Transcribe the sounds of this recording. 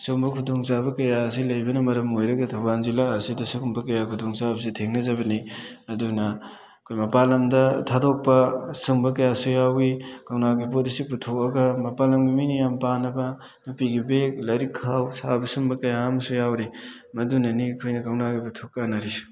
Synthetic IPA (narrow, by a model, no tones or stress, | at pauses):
sumbɐkʰudoŋsabɐkɐjas̬ilɐjbɐnɐmɐɾɐmojɾɐɡɐtʰɐwɡanzilaɐsidɐsukmbɐkɐjakʰudoŋsabɐs̬itʰeŋnɐzɐbɐniɐdunɐ | kʰojmɐpalɐmdɐtʰadok̚pːɐsumbɐkɐjasujawikawnaɡipodisip̬utʰok̚ɐɡɐmɐpalɐmɡimijnijampanɐbɐ | mupiɡibek̚lɐɾikʰawsabɐsumbɐkɐjamɐsujawɾi | mɐdunɐnikʰojnɐkawnaɡiputʰok̚ːanɐɾisu̥